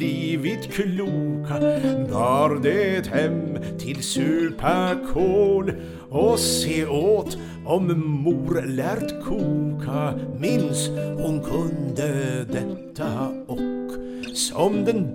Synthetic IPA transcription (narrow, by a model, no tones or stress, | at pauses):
iːʋɪt̪kʰluːkʰab̪ɑːɾd̪ɛɛt̪hɛmt̪ʰɪlsʉːpʰækʰoːl | ɔseːoːt̪ | ɔmmuːɾlæɾt̪kʰuːkʰamɪnshʊnkʰɵnd̪əd̪ɛt̪ʰːə | ɔkː | sɔmd̪ɛn